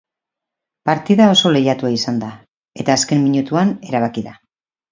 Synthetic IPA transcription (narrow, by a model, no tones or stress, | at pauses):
paɾt̪iðao̞so̞le̞jat̪uaisand̪a | e̞t̪aːske̞mmiɲut̪uane̞ɾaβ̞akiða